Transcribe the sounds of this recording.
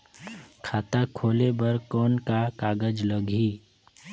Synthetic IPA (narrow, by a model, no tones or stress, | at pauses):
kʰaːt̪akʰoːlebəɾkɔːnkakaːɡəd͡ʒləɡʱiː